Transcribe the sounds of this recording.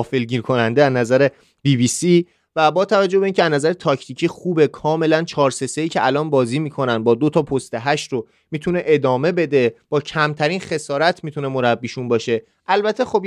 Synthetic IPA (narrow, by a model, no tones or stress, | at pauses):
felɟiːɾkʰo̞nænd̪eæznæzæɾe | biːbiːsi | væbɒːt̪ʰævæd͡ʒːo̞hbeiːncʰeæznæzæɾet̪ʰɒcʰt̪ʰicʰiːxuːbe̞kʰɒːme̞lænt͡ʃʰɒːɾse̞se̞iːcʰeʔælɒːnbɒːziːmiːkʰo̞nænbɒːd̪ot̪ʰɒːpʰost̪eɦæʃt̪ɾo | miːt̪ʰune̞ʔed̪ɒːme̞be̞d̪e̞b̥ɒːcʰæmt̪ʰæɾiːnxe̞sɒːɾæt̪ʰmit̪ʰune̞mo̞ɾæbːiʃunbɒːʃe̞ | ʔælbæt̪ʰːe̞xo̞b